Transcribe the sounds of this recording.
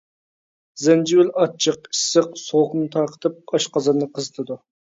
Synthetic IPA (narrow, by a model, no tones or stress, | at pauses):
zɛnd͡ʒiwɪlɑt͡ʃʰəqi̥sːəqsoχnɨt̪ʰɑɾqʰə̥t̪ʰɨp̚ɑʃqɑzɨɾnɨqʰəzɨt̪ʰɨd̪u